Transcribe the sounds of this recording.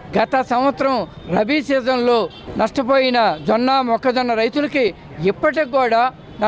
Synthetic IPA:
ɡɐt̪ɐsɐmʋɐt̪ɾɐmɾɐbisɛːd͡ʒɐnloː | nɐʂʈɐpoːjinɐd͡ʒɔnːaːmɔkːɐd͡ʒɔnːɐɾɐjt̪ulɐki | ipːɐʈ̬ikuːɽaː | nɐ

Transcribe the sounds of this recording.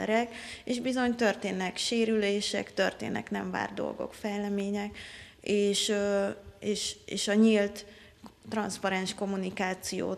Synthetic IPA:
ɛ̰ɾɛkeːʒbizo̞ɲt̪ørt̪eːnːɛkʃeːɾyleːʃɛ̰kt̪ø̞rt̪ḛːnɛ̰knɛɱva̰ːrd̪o̞̰lɡo̞̰kfɛjlɛmeːɲɛk | eːʃ | eːʃeːʃɒɲilt̪ː | rɒnspɒɾɛnʃko̞munikaːt̪sijo̰ː

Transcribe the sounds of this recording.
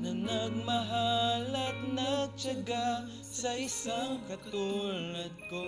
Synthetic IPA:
nɐnɐɡ̚mɐɦalɐɡ̚nɐɡ̚t͡ʃɐɡa | sɐisaŋkɐt̪ulɐt̪̚ko

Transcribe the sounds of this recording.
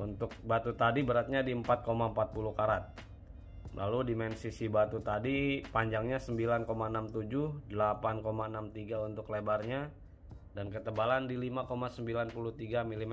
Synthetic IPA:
unt̪ʊk̚bat̪ut̪adibəɾat̪̚ɲadiəmpat̪̚komaəmpat̪̚pulukaɾat̪̚ | la̰ludimɛnsisibat̪ut̪adipaɲd͡ʒaŋɲasəmbilankomaənamt̪ud͡ʒʊhdəlapankomaənamt̪iɡaunt̪ʊklebarɲa | dankət̪əbalandilimakomasəmbilanpuluht̪iɡamilim

